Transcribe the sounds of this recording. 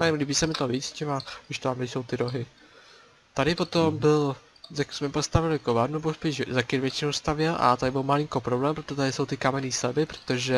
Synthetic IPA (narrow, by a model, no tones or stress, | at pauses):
ɛmliːbiːsɛmɪt̪oviːt͡st͡ʃɪmaɪʃt̪oamdɪjso̞wt̪ɪɾoɦɪ | t̪adɪpo̞t̪ombɪl | zaksmɛpost̪avɪlɪkovaɾnubospiʃzakɪnvjɛt͡ʃɪnowst̪avjɛlʔa̰t̪adɪbɪlmalɪŋkopɾoblɛːmpɾot̪ot̪adɪso̞wt̪ɪkamɛniːsɛbɪpɾot̪oʒɛ